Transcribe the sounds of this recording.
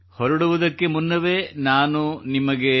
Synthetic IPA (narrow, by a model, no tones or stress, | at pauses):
hɔɾɐɽuʋud̪ɐkːe̞munːɐʋe̞ːnaːnunimɐɡe̞